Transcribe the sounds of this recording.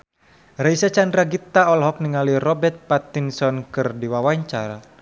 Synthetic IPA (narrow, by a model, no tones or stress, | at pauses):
raisat͡ʃandɾaɡit̪aɔlɦɔk̚niŋalirɔbɛrt̪̚pat̪insɔnkɨrdiwawaɲt͡ʃaɾa